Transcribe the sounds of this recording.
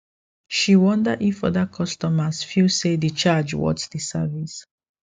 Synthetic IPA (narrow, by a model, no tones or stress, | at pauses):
ʃiwɔ̃ndəʔifʌðəkʰɔstɔməsfilsedit͡ʃad͡ʒwɔ̰tsdisa̰vis